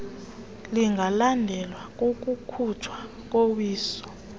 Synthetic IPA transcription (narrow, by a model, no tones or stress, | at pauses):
liŋɡʱalandʱɛlwak̬ʼok̬ʼukʰut͡ʃʰwa | k̬ʼowiːsɔ̥